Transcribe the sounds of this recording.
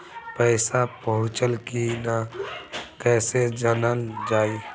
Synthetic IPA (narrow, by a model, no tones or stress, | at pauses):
pəːsapəɦʊ̃t͡ʃəlkina | kɛːsed͡ʒənəld͡ʒaːi